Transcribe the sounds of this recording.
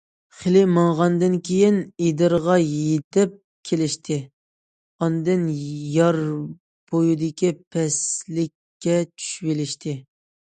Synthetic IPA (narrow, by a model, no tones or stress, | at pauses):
χɪlɪmɑŋʁɑnd̪ɨnkʲʰejined̪ɨɾʁɑjet̪ʰɪp̚ | kʲʰelɪʃt̪ʰɪ | ɑnd̪ɨnjɑɾ | b̥ojud̪ɪkʲipʰɛslɪkʲːɛt͡ʃʰy̥ʃvɪlɪʃt̪ʰɪ